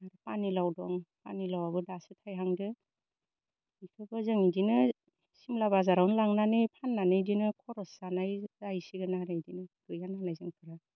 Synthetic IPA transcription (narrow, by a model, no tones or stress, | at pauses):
aɾɯpanilawdɔŋpa̰nilawabɯdasɯtʰajɦaŋdɯ | ikʰɯbɯzɯŋidinɯ | simlabazaɾawnlaŋnanɯjpʰanːanɯdinɯkʰɔɾɔsanajzajsiɡɯnaɾɯidinɯɡɯjananajzɯŋkʰɯɾa